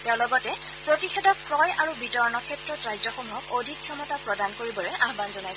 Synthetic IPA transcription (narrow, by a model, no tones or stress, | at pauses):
tɛʊ̃lɔɡɔtɛ | pɹotixedɔk̚pɹɔjʔaɹubitɔɹɔnɔkʰɛtɹɔtɹajzɔxɔmuɦɔkodʱikʰːjɔmɔtapɹɔdankoɹibɔɹɛʔaɦbanzɔnajs